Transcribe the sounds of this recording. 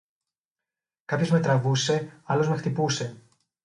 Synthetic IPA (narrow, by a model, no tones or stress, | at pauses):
kɐpço̞zme̞t̪ɾɐvuse̞ɐlo̞zme̞xt̪ipuse̞